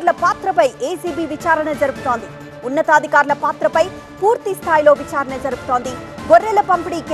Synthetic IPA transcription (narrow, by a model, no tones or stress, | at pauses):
ɾlɐpaːt̪ɾɐpɐjʔeːsiːbiːʋit͡ʃaːɾɐɳɐd͡ʒɐɾuɡut̪oːnd̪i | unːɐt̪aːd̪ʱikaːɾlɐpaːt̪ɾɐpɐj | puːɾt̪ist̪ʰaːjilo̞ːʋit͡ʃaːɾɐɳɐd͡ʒɐɾuɡut̪o̞ːnd̪iɡorːɛːlɐpɐmpiɽiːk